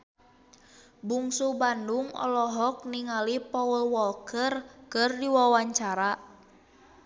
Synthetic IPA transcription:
buŋsubanduŋɔ̰lɔɦɔk̚niŋalipɔwəlwɔlkərkɨrdiwawaɲt͡ʃaɾa

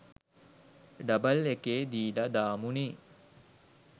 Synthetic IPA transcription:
ɖɐbəlekeːd̪iːɖad̪aːmuniː

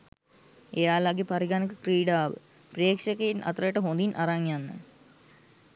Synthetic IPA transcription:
ejaːlaɡepaɾiɡanikəkriːɖaːʋə̰ | preːkʂəkeinʔa̰t̪ɾəjəʈəɦond̪inʔaɾaŋjanːə̰

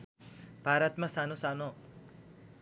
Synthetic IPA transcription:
b̥ʱaɾʌt̪masanosano

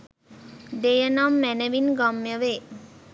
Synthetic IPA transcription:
d̪ejənamːɛnəʋinɡamjəʋe

